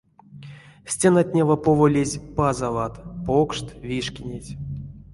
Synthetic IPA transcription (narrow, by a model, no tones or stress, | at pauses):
sʲtʲenat̪ʲnʲevapovolʲezʲpazavat̪pokʂt̪vʲiʂkʲinʲetʲ